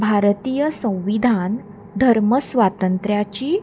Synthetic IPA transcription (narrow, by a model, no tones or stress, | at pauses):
bʱaɾt̪ijəsə̃w̃ʋid̪ʱan | d̪ʱəɾməsʋat̪ənt̪ɾjat͡ɕiː